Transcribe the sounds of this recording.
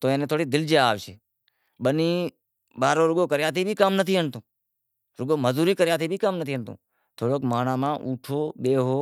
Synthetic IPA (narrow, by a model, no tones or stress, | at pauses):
t̪oːẽːnẽːt̪ʰoːɽiːd̪ɪld͡ʒeaːʋt͡ʃʰeː | ɓəniː | ɓaːɾoːɾʊɡoːkəɾjaːt̪ʰiːbʱiːkaːmnət̪ʰiːɦəɳt̪õː | ɾʊɡoːməzuːɾiːkəɾjaːt̪ʰiːbʱiːkaːmnət̪ʰiːɦəɳt̪õ̰ː | t̪ʰoːɽoːkmaːnaːmãːʔuːʈʰoːɓeːɦoː